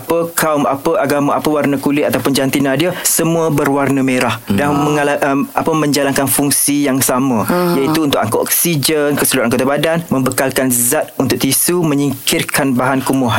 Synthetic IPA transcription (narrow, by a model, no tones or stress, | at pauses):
apəkʰauma̰pəʔaɡamaapəwarnə̃kulɪat̪awpʊnd͡ʒant̪inãdiasəmũəbərwarnəmeɾahdaməŋalaapəmə̃ɲd͡ʒalankanfuŋsijaŋsamə̃jait̪uːnt̪ʊk̚ʔaŋkoʔɔ̰ksid͡ʒənkəsəluɾatʔaŋkot̪abadanmə̃mbəkalkanzat̪̚unt̪ʊk̚t̪isumə̃ɲiŋkʰɪrkanbaɦankumɔɦan